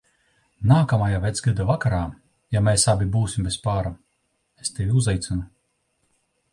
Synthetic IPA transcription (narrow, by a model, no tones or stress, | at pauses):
naːkamajavʲɛt̪sɡɨd̪avakaɾaː | jamɛsabʲibuːsʲimbʲespaːɾa | est̪evʲiuzajt̪sʲɨnu